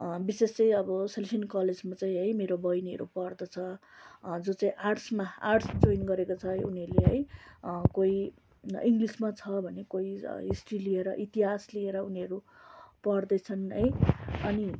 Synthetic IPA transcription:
bisest͡saj̃ʌbʌselsinkʌled͡zmat͡saĩɦʌjmeɾobʌjniɦʌ̰ɾṵpʌrd̪ʌt͡sʰʌ | d͡zot͡saĩʔarʈsmaa̰rʈsd͡zojnɡʌɾekot͡sʰʌɦʌjṵniʌɾleɦʌ̰jkoj | iŋɡlismat͡sʰʌbʱʌnekoiisʈrilieɾʌʔit̪iɦaslieɾʌuniʌɾu | pʌrd̪ʌt͡sʰʌnɦʌ̰jʌni

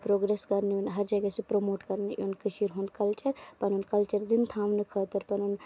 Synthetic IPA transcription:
pɾoɡɾeskɐɾneunɦɐɾd͡ʒɐɡɛsẽpɾomoʈkɐɾneʔjionkəsiɾɦonkɐlt͡ʃəɾpɐnunkɐlt͡ʃəɾd͡ʒint̪ʰãʋnɨkʰət̪əɾpɐnun

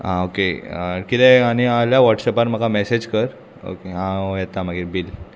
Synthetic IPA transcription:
ã̰okekit̪ɛ̃añialjaʋɔʈsɔpaɾm̤əɡamɛsed͡ʑkəɾ | o̰keɦãojɛt̪amaɡiːɾbil

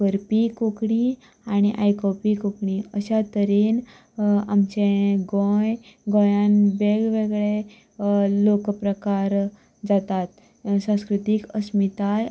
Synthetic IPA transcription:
pəɾpikokɳi | aɽ̃iʔajkopikokɳiəɕat̪əɾiːn | amt͡ɕẽɡɔ̃jɡõjanbeɡʋeɡɭe | lokpɾəkaɾ | d͡zat̪at̪ | sãskɾut̪ikəsmit̪aj

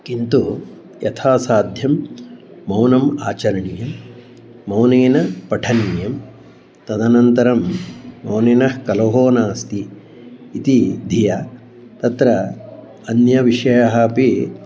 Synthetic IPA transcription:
kint̪u | jɐ̰t̪ʰaːsaːd̪ʱjɐmː | ɐwnɐma̰ːt͡ʃɐɾɐɳijɐmː | ɐwneːnɐpɐʈʰɐnijɐm | t̪ɐd̪ɐnɐnt̪ɐɾɐmːɐwneːnɐhkɐlɐɦoːnaːst̪iː | t̪id̪ʱija | t̪ɐt̪ɾɐ | ɐnjɐʋiʂɐjɐɦɐpi

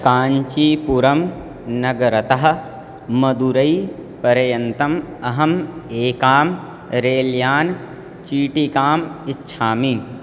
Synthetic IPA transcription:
kaːɲt͡ʃipuɾɐm | nɐɡɐɾɐt̪ɐɦɐ̆ | mɐd̪uɾɐipɐɾɐjɐnt̪ɐm | ɐɦɐmeːkaːm | ɾeːljaːn | t͡ʃiːʈikaːmɪtːʃʰaːmi

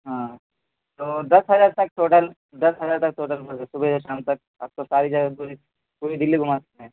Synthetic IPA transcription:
ɦãː | t̪oːd̪ɐsɦɐzaːɾt̪ɐk̚ʈ̪oːʈəl | d̪ɐsɦɐzaːɾt̪ɐk̚t̪oːʈəlbɐɾɛsʊbʱed͡ʒɐʃaːnt̪ɐk̚a̰ːp̚t̪osaːɾid͡ʒɐɡad̪uɾi | buɾid̪ɪlːiɡʱʊmaːs | ɦɛ̃ː

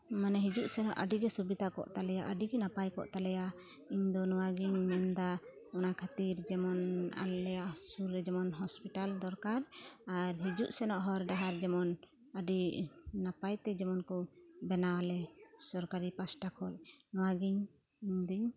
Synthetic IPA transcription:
manɛɦid͡ʒuʔsɛnɔʔəɖiɡɛsubid̪akɔ̰ʔt̪alɛjaʔəɖiɡɛnapajkɔ̰ʔt̪alɛjaʔ | iɲd̪ɔnɔwaɡiɲmɛnd̪a | ɔnakʰat̪iɾd͡ʒɛmɔna̰lːɛjaʔsulːɛd͡ʒɛmɔnɦɔspiʈald̪ɔɾkaɾaɾɦid͡ʒuʔsɛnɔʔɦɔɾɖaɦaɾd͡ʒɛmɔn | əɖinapajt̪ɛd͡ʒɛmɔnkubɛnawalɛsɔɾkaɾipasʈakʰɔlnɔwaɡiɲ | iɲd̪iɲ

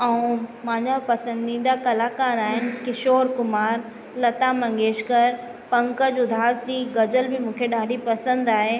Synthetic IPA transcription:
ɛ̃ũmãːɲd͡ʑapɐsə̃nd̪ĩːn̆d̪akɐlaːkaːɾaːɦɪnɪ̆kɪʃoːɾkʊmaːɾ | lɐt̪amɐ̃ŋɡeːʃkəɾ | pɐ̃ŋkəd͡ʑʊd̪ʱaːsd͡ʑiːɡɐd͡ʑəlbɪmũːkʰeɗaːɖʱipɐsə̃nd̪aːɦe

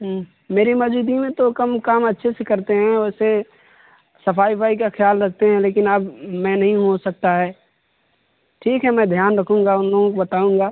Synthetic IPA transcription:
meːɾimɐd͡ʒuːd̪imẽt̪okɐmkaːmɐtːʃʰesekɐɾt̪eɦɛ̃ɛːse | sɐpʰaːipaːikaxjaːlɾɐk̚ʰt̪eɦɛ̃leːkɪnɐbmɛ̃nɐɦĩɦosɐk̚t̪aɦɛː | ʈʰiːkɦɛmɛ̃d̪ʱjaːnɾɐkʰũŋɡaʊnloːɡõkobɐt̪aːũːŋɡaː

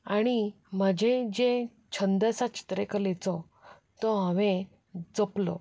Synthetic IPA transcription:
aɽ̃i | m̤əd͡ʑʱed͡ʑe | t͡ɕʰənd̪əsat͡ɕi̥t̪ɾekəlet͡sɔ | t̪ɔɦãʋẽ | d͡zəplɔ̰

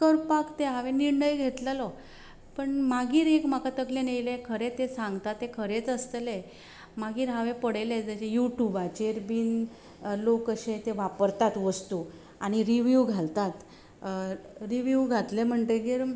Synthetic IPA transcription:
kəɾpakt̪eɦaʋẽniɾɳəjɡʱet̪ləlɔ | pəɳmaɡiːɾekm̤akat̪əklenejlekʰəɾet̪esaŋɡt̪at̪ːekʰəɾet͡səst̪le | maɡiːɾɦaʋepəɽeled͡zət͡ɕejuʈjubat͡ɕeɾbiːn | lokəɕet̪eʋapəɾt̪at̪ʋəst̪u | aɽ̃iɾiʋjuɡʱalt̪at̪ | ɾiʋjuɡʱat̪lem̤əɳʈ̪eɡiɾ

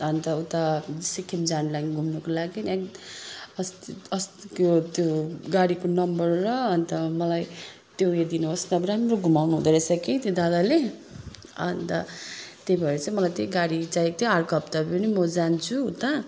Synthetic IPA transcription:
ʌnt̪ʌut̪ad͡zʌsikʰimd͡zanlaɡiɡʱumnukolaɡina | ʌst̪iʌst̪kot̪joɡaɽikonʌmbʌrːʌʌnt̪ʌmʌlaj | t̪joed̪inuʌsnʌbɾamroɡʱumawnuɦṵd̪ʌɾʌsʌket̪jod̪ad̪ale | ʌ̰nt̪ʌt̪ejbʱʌeɾʌt͡sãĩmʌlajt̪ejɡaɽit͡sajek̚t̪earkʌpt̪abenimʌd͡zant͡sʰuut̪a

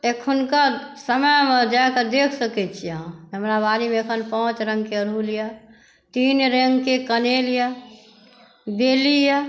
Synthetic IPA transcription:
ekʰʊnkasəməjmed͡ʒakəd̪ekʰsəkɛt͡ʃʰijəɦãɦəmɾabaːlimẽkʰənpãːt͡ʃɾə̃ŋɡkeəɾulija | t̪iːnɾəŋɡkekənelija | belija

